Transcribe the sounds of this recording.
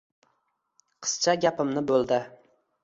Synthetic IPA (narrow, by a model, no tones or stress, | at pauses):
qʰɨ̥st͡ʃʰaɡʲapɪmnɪbolˠd̪ɪ